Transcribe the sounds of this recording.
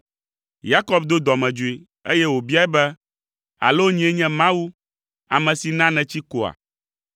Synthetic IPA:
ja˦kɔ˦bd̪o˦d̪ɔ˨mɛ̃˨d͡ʒu˨e˨ | ḛ˦jɛ˦wo˨bi˦a˦ɛ˦bɛ˦ | a̰˨lo˦ɲĩ˨˦ɛ˦ɲɛ̃˦mã˦wu˦ | a˨mɛ̃˨si˨nã˦nɛ̃˨t͡ɕi˦ko˨a̰˨

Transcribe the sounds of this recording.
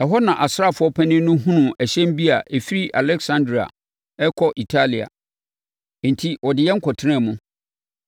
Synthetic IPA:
ɛ˨ɦɔ˦nã˨ʔa˨sa˦˨fʊ˨˦ɔ˦pʰæ˦nɪ̃˦nʊ̃˦ɦũ˦nʊ̃˨æ˨ɕɛ̃˦m˦bi˦a˨ʔe˨fi˦ɾi˦ʔa˨lɛ˦ksã˦ndɾa̰˨ | ɛ˦kʰɔ˦ʔi˨tʰa˦li˨a̰˨ | n̩˨tʰi˦wɔ˨dɪ˨jɛ˦ŋ̩˦kʰɔ˨tʰɪ˦ɾã˦˨mʊ̃˦

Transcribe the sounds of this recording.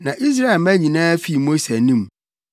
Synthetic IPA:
nã˨ʔi˦s̬ɾa˦e˨lmæ˦ɲĩ˨nãː˦fi˦˨mo˦se˨nĩ˦m˨

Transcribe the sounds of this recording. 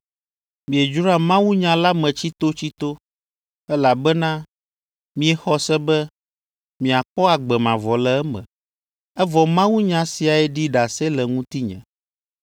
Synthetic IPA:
mĩ˨e˨d͡ʒu˦ɾa˦mã˦wu˦ɲã˨la˦mɛ̃˨t͡ɕi˦t̪o˦t͡ɕi˦t̪o˦ | ɛ˦la˨bɛ˦nã˦ | mĩ˦ɛ˨xɔ˦sɛ˦bɛ˦ | mĩ˨a˨k͡pɔ˦a˨ɡ͡bɛ˨mã˨vɔ˨lɛ˨ɛ˦mɛ̰̃˨ | ɛ˦vɔ˨mã˦wu˦ɲã˨si˨a˨ɛ˦ɖi˦ɖa˨sɛ˦lɛ˨ŋũ˦t̪i˦ɲɛ̰̃˨

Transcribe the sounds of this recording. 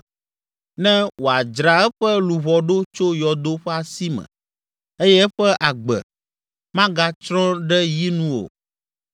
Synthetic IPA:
nɛ̃˦wo˨a˨d͡ʒɾa˨ɛ˦ɸɛ˦lu˨βɔ˨ɖo˦t͡ʃo˦jɔ˨d̪o˦ɸɛ˦a˨si˦mɛ̰̃˨ | e˦jɛ˦ɸɛ˦ʔa˨ɡ͡bɛ̰˨ | mã˦ɡa˦t͡ʃɾɔ̃˦ɖɛ˦ji˦nũ˦o̰˨

